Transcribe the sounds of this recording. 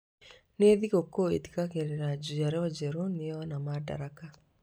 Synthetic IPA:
neðikokːoḛt̪i̥kakeɾenad͡ʒud͡ʒaɾewad͡ʒeɾoniwanamada̰ɾaka

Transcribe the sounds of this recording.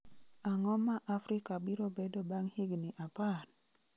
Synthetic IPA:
aŋɔmːaʔafɾikabiɾobedobaŋhiɡniʔapan

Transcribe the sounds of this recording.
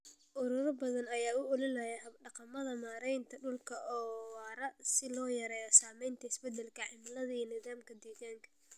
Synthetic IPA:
ʔʊɾʊɾɐbɐðɐnɐjaːʊʊlɪnɐjɐhɐɖɑqɑmɐðɐmaːɾɛjnt̪ʰɐɖʊlkʰɐɔːwaːɾɐsɪlɔːjɐɾɛːjɐsaːmɛjnt̪ʰɐɪsbɛd̪ɛlkʰɐʕɪmlɐðɐinɪðaːmkʰɐd̪eːɣaːŋkʰɐ̥

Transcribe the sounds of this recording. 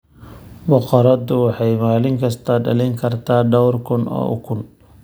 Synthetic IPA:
bʊqɔɾɐd̪ʊwɑħɑjmaːlɪŋkʰɐst̪ʰɐɖɐlɛŋkʰɐrt̪ʰaːɖɔwrkʰʊnɔ̰ːʊ̰kʰʊn

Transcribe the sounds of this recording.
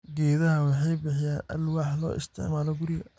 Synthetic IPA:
ɡɛːðɐɦɐwɑħɑjbɪħɪjaːnʔɐ̰lwɑħlɔ̰ːʔɪ̰st̪ʰɪ̰ʕmaːlɔɡʊɾɪɣɐ

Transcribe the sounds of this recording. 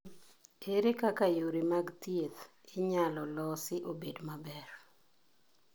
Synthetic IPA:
eɾekakajoɾemaɡt̪jet̪ | ɪɲalɔlɔsɪʔobedmabɛr

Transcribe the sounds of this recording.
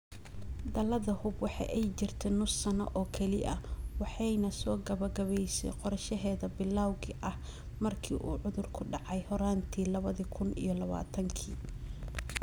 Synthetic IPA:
d̪ɐlɐðɐhʊbwɑħɑ̰jʔɛjt͡ʃɪrt̪ʰɛnʊsːɐnɐ̰ʔɔːkʰɛlɪ̰ʔɐwɑħɑjnɐsɔːɡɐβɐɡɐβɛjsɛ̰jqɔɾʃɐɦɛːðɐbɪlːaːwɣɪʔɐh | mɐrkʰiːʔuːʕʊðʊrkʰʊɖɑʕɑjhɔɾaːnt̪ʰiːlɐβɐðikʰʊnḭjɞlɐβa̰ːt̪ʰɐŋkʰḭː

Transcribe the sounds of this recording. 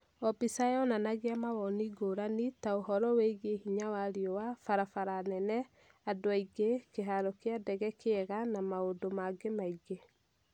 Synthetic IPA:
ɔpisajɔnanaɣeamawɔniɡoɾanitaoɦɔɾɔweɣehiɲawaɾiɔwafaɾafaɾanɛnɛ | adoaiɡekeɦaɾɔkeadɛɣɛkeɛɣanamaodomaɡemaiɡe

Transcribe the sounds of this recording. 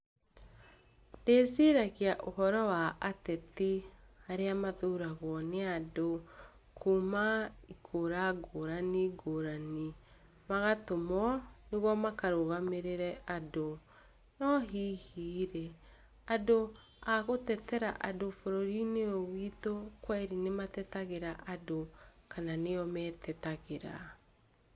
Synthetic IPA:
neseɾakeaʔohɔɾɔwaʔatɛtihaɾeamaðuɾaɣwɔneado | kʰumaikʰoɾaɡoɾaniɡoɾani | maɣatomɔneɣwɔmakaɾoɣameɾeɾɛado | nɔɦiːhiːɾe | ado | aɣotɛtɛɾaʔadofoɾoɾineowitokwaiɾinematɛtaɣeɾaʔadokʰananeɔmɛtɛtaɣeɾa̰

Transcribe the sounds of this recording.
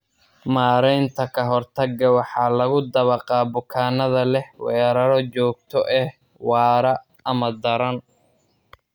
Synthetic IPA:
maːɾɛjnt̪ʰɐkʰɐɦɔrt̪ʰɐɡɐwɑħɑːlɐɣʊd̪ɐβɐqɑːbʊkʰaːnɐðɐlɛhwɛːɾɐɾɔt͡ʃɔːɡ̚t̪ʰɔʔɛh | wɑːɾɐ | ɐmɐd̪ɐɾɐn

